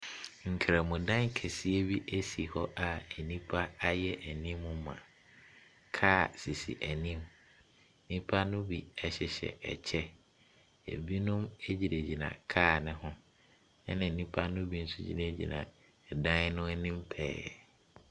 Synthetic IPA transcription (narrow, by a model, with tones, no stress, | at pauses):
ŋ̩˨kʰɾɛ˨mʊ̃˨dã˦ŋ˦kʰɛ˨si˦e˦bi˦ʔæ˦si˨hɔ˦ʔa˨æ˨nĩ˦pʰa˦a˦jɛ˦ʔæ˨nĩ˦mːʊ̃˦mã̰˨ | kʰaː˦˨si˨sḭ˨ʔæ˨nĩ˦m˦ | nĩ˦pʰa˦nʊ̃˦bi˨ɛ˦ɕɛ˨ɕɛ̰˨ɛ̰˨t͡ɕʰɛ˦ | æ̰˨bi˦nʊ̃˦me˦d͡ʑi˨ɾæ˨d͡ʑi˨nã̰˨kʰaː˦˨nɪ̃˦ɦʊ̃˦ | ɛ˦nɪ̃˨nĩ˦pʰa˦nʊ̃˦bi˨˦n̩˦sʊ˦d͡ʑḭ˦nã˦˨d͡ʑḭ˨nã̰˨ | dã˦nʊ̃˦æ˦nĩ˦mpʰɛː˦jɛ̰˨